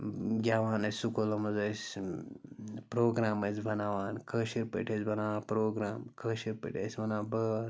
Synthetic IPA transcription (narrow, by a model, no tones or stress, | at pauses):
ɡʲaːʋaːnɐssukolomɐzɐs | pɾoːɡɾaːmɐt͡sbʱɐnaːʋaːnkʰəːʃiɾpḛʈʰezbɐnaːʋaːnpɾoːɡɾaːmkʰɐːʃiɾpḛʈʰḛsʲmɐnaːbɐ